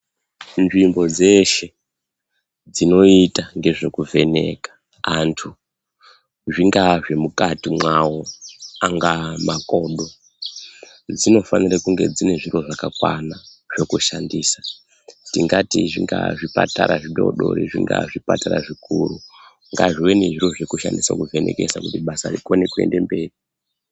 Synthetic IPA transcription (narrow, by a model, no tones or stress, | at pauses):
nʐimbo̞d͡ze̞ʃe̞ | d͡zino̞itaŋɡe̞ʐe̞kuvʱe̞ne̞̰kḁ | antʰu | ʐiŋɡaʐe̞mukatimwawoaŋɡamako̞ɗo̞ | d͡zino̞fanirakuŋɡe̞d͡zine̞ʐiro̞ʐakakwana | ʐ̥o̞kuʃandiːsḁ | tiŋɡatiʐiŋɡa̰ʐipataɾaʐiɗo̞̰ɗo̰ɾiʐiŋɡa̰ʐipataɾaʐikuru | ŋɡaʐiwe̞neʐiɾo̞ʐe̞kuʃa̰ndisakuve̞nʔe̞̰kesakutiɓasarikone̞kue̞̰nde̞mbe̞ːri